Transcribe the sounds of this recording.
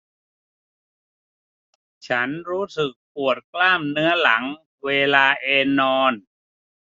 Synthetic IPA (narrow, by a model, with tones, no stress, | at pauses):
t͡ɕʰa˦˥nɾuː˦˥sɯ˨˩k̚pu˨˩ət̪̚klaː˥˩mnɯ˦˥ɐla˩˦ŋ | weː˧laː˧ʔeː˧nɔː˧n